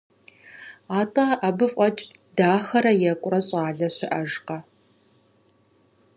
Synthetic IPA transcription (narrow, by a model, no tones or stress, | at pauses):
aːtʼɐʔɐbɨfʼɐt͡ʃʼ | daːxɐɾɐjɛkʷʼʊrɐɕʼaːɮɐɕɪʔɐʒqɐ